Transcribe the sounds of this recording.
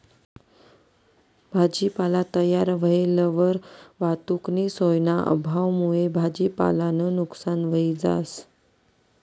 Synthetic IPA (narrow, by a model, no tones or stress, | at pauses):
bʱad͡ʑiːpalat̪əjaɾʋəeləʋəɾʋat̪uknisojnaʔə̰bʱaʋmuebʱad͡ʑiːpa̰lanənuksanʋəiːd͡za̰s